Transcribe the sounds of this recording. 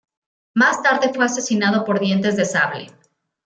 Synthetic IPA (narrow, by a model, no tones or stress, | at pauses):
mast̪aɾðe̞fwe̞ase̞sinað̞o̞po̞ɾðje̞nt̪e̞zðesaβlḛ